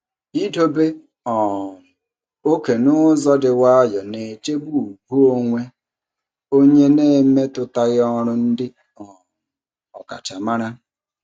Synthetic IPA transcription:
i˦do˦be˦ | ɔ˨ | o˦ke˨nʊ˦zɔ˦dɪ˨wa˦a˦jɔ˨ne˨t͡ʃe˦bu˦u˨ɡu˦o˦ŋʷe˦ | o˦ɲe˦ne˦˨˦me˦tʊ˨ta˦ɣɪ˦ɔ˦ɾʊ˦n̩˦dɪ˦ | ɔ˨ | ɔ˨ka̰˨ta˨ma˦ɾa˦

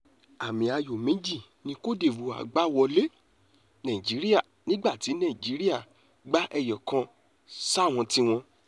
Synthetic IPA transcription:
a˨mĩ˨˧a˧jo˨mĩ˨˦d͡ʒi˦˨ | nĩ˧ko˦de˦˨wu˨a̰˨ɡ͡ba˦wɔ˧le˦ | nã˨ĩ˨d͡ʒi˨˦ɾi˦a˦˨nĩ˦ɡ͡ba˦˨ti˨˦nã˦˨ĩ˨d͡ʒi˨˦ɾi˦a˦˨ | ɡ͡ba˦ʔɛ˧jɔ˨kã˧ | sa˦˨w̃ɔ̃˧ti˧w̃ɔ̃˧

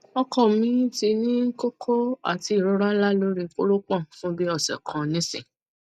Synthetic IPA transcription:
ɔ˧kɔ̃˨mĩ˧˦ti˧nĩ˦ko˦kʰo˦a̰˨ti˧˦i˨ɾo˨˦ɾa˦la˦lo˦ɾi˧ko˦ɾo˦k͡pɔ̃˦˨fũ˦bi˦ɔ˦˨sɛ̰˨kʰã˨nĩ˦sḭ̃˨

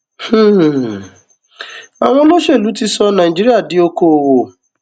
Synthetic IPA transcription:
h̩˦˨ | a˨w̃ɔ̃˧lo˦ʃe˦˨lu˨˦ti˧sɔ˧nãː˨ĩ˨d͡ʒi˦ɾi˦a˦˨di˨˦o˧ko˧˨wo˨

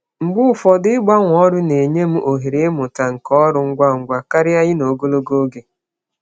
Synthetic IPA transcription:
ŋ͡m̩˨ɡ͡bʊ˦ʊ˨fɔ˨dɪ˦ɪ˦ɡ͡ba˦ŋʷɔ˦ɾʊ˦ne˨ɲe˦m̩˦ʔo˨ɦi˨ɾe˨˦mʊ˨ta˨ŋ̩˨kɔ˦ɾʊ˨ŋ̩˦ɡʷa˦ŋ̩˨ɡʷa˦ka˦ɾɪ˦a˦ɣɪ˦no˨ɡo˦lo˦ɡo˦ɡe˦

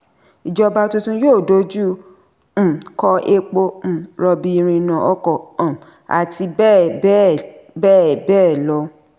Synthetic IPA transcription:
i˨d͡ʒɔ˧ba˧tũ˧tũ˧joː˦˨do˨˦d͡ʒũ˦˨ | kɔ˧ʔe˧k͡po˧m̩̃˨ɾɔ˧bi˧i˧ɾ̃ĩ˧nã˨ɔ˧˦kɔ˨ɔ̃˨ | a̰˨ti˧˦ | bɛː˦˨bɛː˦˨lɔ˧˦

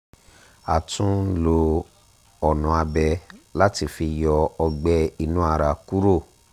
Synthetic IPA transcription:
a˨tũ˦lo˧ | ɔ˨nɔ̃˨˦a˧bɛ˧la˦ti˧fi˧jɔ˧ɔ˧ɡ͡bɛ˧˦i˧nũ˦a˧ɾa˧ku˦ɾo˦˨

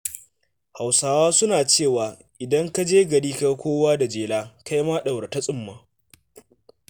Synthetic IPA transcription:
ha˨wsaː˦waː˦sʊ˦naː˨t͡ʃeː˦˨waː˨ | ʔɪ˨dɐ˦ŋka˦d͡ʒeː˦ɡɐ˨ɽiː˦ka˦kʷoː˦waː˦da˨d͡ʒeː˨laː˦ka˦jmaː˦ɗɐ˨wɾta˦sʼʊ˦mːaː˦

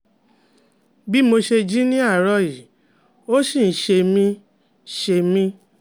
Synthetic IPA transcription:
bi˦mo˧ʃe˧d͡ʒi˦nĩ˦a˦˨ɾɔ˧˨ji˨ | o˦sĩ˦˨n̩˨˦ʃe˧mĩ˧ | ʃe˧mĩ˧

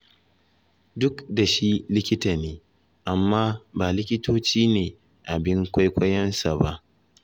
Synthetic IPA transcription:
dʊ˦kda˨ʃi˦lɪ˦kʲɪ˦ta˨neː˨˦ | ʔa˨mːaː˦baː˨lɪ˦kʲɪ˦toː˦t͡ʃiː˦neː˨ | ʔa˨bɪ˦ŋkʷa˦jkʷɐ˦jɐ˦nsa˨ba˦ʔ

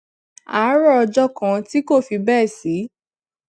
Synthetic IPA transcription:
a˨˦ɾɔ˦ɔ˧d͡ʒɔ˦kã˧ti˦ko˦˨fi˧bɛ˦˨si˨˦

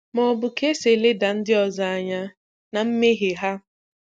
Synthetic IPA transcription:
mɔ˨bʊ˨ke˦se˨le˦da˨n̩˦dɪ˦ɔ˨za˨a˨ɲa˦ | na˨m̩˦me˦ɦe˨ɦa˦

